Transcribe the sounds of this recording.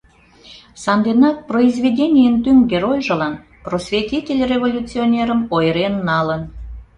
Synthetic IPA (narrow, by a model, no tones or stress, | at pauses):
sɑnd̪enɑk̚proizvʲedʲenʲijənt̪yŋɡeɾojʲʒə̆lɑn | prosvʲet̪ʲitʲelʲrʲevolʲut͡sionʲeɾəmojɾenːɑlən